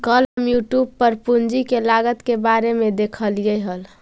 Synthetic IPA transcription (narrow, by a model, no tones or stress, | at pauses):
kələmjuʈjubpəɾpund͡ʒikelaɡət̪kebaɾemed̪ekʰəlijəɦəl